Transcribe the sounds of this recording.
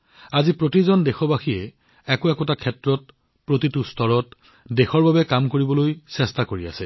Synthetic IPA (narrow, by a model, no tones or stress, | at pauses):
azipɹotizɔndɛxɔbaxiɛ | ɛkoɛkɔtakʰɛtɹɔt̚ | pɹotitustɔɹɔt | dɛxɔɹbabɛkamkoɹibɔlojsɛstakoɹia̰sɛ